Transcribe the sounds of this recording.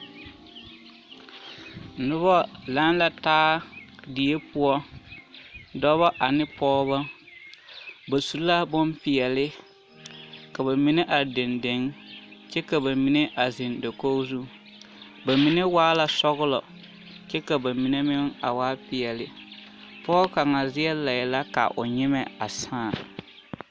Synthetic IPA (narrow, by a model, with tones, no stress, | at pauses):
nʊ˦bɔ˦la˦n˦la˨taː˦di˨je˦pʊ˦ɔ˦ | dɔ˦βɔ˦ʔa˨nɪ˦pɔː˦βa˦ | ba˨su˨˦la˦bʊ˦mpɪ˨ɛ˨lɪ˦ | ka˨ba˨mi˨˦ne˦ʔa˨de˨nde˨˦ŋt͡ʃɛ˦ka˨ba˨mi˨ne˦ʔa˨zɪ˨ndo˨ko˦zu˦ | ba˨mi˨ne˦waː˦la˨sɔ˦ɣʊ˦lɔ̰˨ | t͡ʃɛ˦ka˨ba˨mi˨ne˦mɪ˦ŋa̰˨waː˦pɪ˨ɛ˨lɪ˨ | pɔː˦ka˨ŋa˨zɪ˦ɛ˦la˨jɛ˨la˦ka̰˨ʔʊ̰˨ɲɪ˦mɛ˨a̰˨sãː˦˨